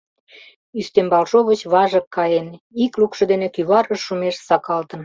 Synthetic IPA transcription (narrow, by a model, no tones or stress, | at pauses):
yst̪embɑlʃoβət͡ɕβɑʒə̆kːɑjeniklukʃɤ̆d̪enekyβɑɾəʃumeʃsɑkɑlt̪ən